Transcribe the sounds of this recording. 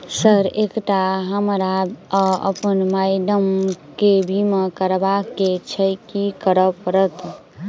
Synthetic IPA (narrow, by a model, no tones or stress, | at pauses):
səɾekʈaɦəmɾa | ə̰pənmajɖəmkebʱimekəɾbaket͡ʃʰəkikəɾəpəɾət̪